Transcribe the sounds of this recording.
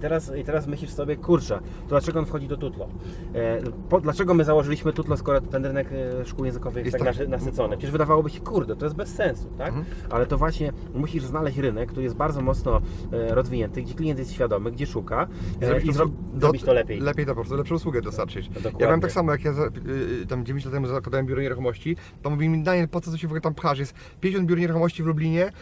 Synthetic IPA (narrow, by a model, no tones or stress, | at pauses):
it̪ɛɾasit̪ɛɾasmɘɕlʲiʂsɔbʲjɛkuɾt͡ʂɛ | t̪ɔd̪lat͡ʂɛɡɔɔnfxɔd͡ʑid̪ɔt̪ut̪lɔ̰ | pɔd̪lat͡ʂɛɡɔmɘzawɔʐɘlʲiɕmɘt̪ut̪lɔskɔɾɔt̪t̪ːɛnɾɘnɛkʂkuwjɛ̃nzɨkɔvɘt̪aanasɨt̪sɔnɨpʂɛt͡ɕɛʐvɘd̪avawɔbɘɕɛkuɾd̪ɛt̪ɔjɛst̪̚bɛsːɛnsu̥t̪ak | ʔa̰lɛt̪ɔvwaɕɲɛ | muɕiʐznalɛɕt͡ɕɾɘnɛkːt̪uɾɘjɛst̪baɾd̪ɔmɔt̪snɔɾɔzvʲiɲɛnt̪ɘɡd͡ʑɛklʲijɛnt̪jɛst̪ɕfʲjad̪ɔmɘɡd͡ʑɛʂukaizɾɔbiɾzɾɔb | zd̪ɔbʲit̪ɔlɛpʲejlɛpʲjejt̪ɔpɔpɾɔst̪ulɛpʂɔ̃uswuɡɛd̪ɔst̪aɾt͡ʂɨt͡ɕ̪ɔkjabawɛmt̪aksamɔjakjazat̪amd͡ʑevʲẽɲt͡ɕlat̪ːɛmuzakwad̪awɛmbʲjuɾɔɲeɾuxɔmɔɕt͡ɕi | t̪ɔmuvʲiwɛmʲid̪aɲɛpɔt̪sɔt̪ɔɕɛvɔɡlɛt̪ampxaʂ̬jɛst̪ | pʲjɲd͡ʑeɕɔnd̪bʲuɾɔɲeɾuxɔmɔɕt͡ɕivlublʲiɲɛ